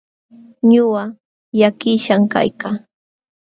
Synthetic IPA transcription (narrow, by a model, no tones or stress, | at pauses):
ɲʊwa | jakɪʃaŋka̰jkaː